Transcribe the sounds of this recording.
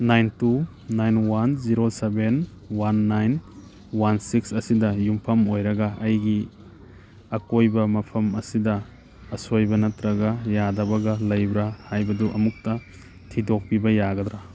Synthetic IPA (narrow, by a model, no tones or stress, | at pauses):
najntu | najnwanziɾoseben | wanːajn | wansiksɐsidɐjumpʰɐmojɾɐɡɐɐjɡi | ɐkojbɐmɐpʰɐmɐsidɐː | sojbɐnɐtɾɐɡajadɐbɐɡɐlɐjbɾahajbɐduʔɐmuk̚tɐ | tʰidok̚pibɐjaɡɐdɾa